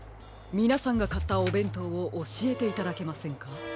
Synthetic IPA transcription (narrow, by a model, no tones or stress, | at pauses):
mʲinasãŋɡakat̪ːao̞bẽ̞nt̪o̞oʔoɕie̞t̪e̞it̪ad̪ake̞masẽ̞ŋka